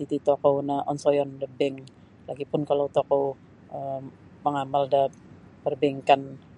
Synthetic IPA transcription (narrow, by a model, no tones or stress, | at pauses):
t̪it̪it̪ɔkownaʔɔ̰nsɔjɔndəbɛŋ | laɡipʊnkalawt̪ɔkɔw | ʔə | məŋamalda | bərbɛŋkan